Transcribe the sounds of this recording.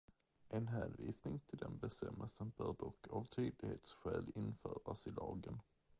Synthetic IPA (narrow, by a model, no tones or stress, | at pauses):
ʔɛnɦæːnviːsnɪŋt̪ʰɪld̪ɛnbɛst̪ɛmːəlsənb̥œːɖɔkːavt̪ʰyːd̪lɪɡheːt̪sɧɛːlɪnːfœːɾasɪlɑːɡən